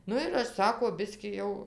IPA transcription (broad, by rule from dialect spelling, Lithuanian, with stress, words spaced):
ˈnʊ ɪr ˈɐʃ ˈsɑːkoː ˈbʲɪsʲkʲiː jɛʊ